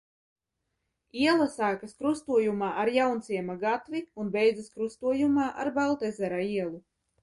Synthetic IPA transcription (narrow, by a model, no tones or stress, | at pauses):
iɛlˠasaːkaskɾust̪uɔjumaːʔaɾjawnt̪siɛmaɡat̪viunbɛjd̪zɨskɾust̪uɔjumaːʔa̰ɾbalˠt̪ɛzɛɾaiɛlˠu